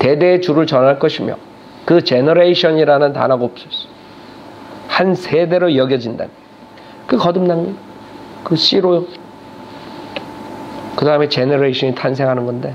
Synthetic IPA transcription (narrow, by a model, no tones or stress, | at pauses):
te̞de̞t͡ɕuɾɯɭt͡ɕʌnɦaɭk͈ʌɕʰimjʌ̰ | kɯt͡ɕe̞nʌɾeiɕʰʌɲiɾanɯnta̰nɦaɡoːp̚s͈ʌs͈ | hansʰe̞de̞ɾojʌɡjʌd͡ʑinda̰n | kɯkʌdɯmnaŋi | kɯɕ͈iɾojo | kɯdaɦɯme̞t͡ɕe̞nʌɾeɕʰʌɲitʰansʰe̞ŋɦanɯnɡʌnde̞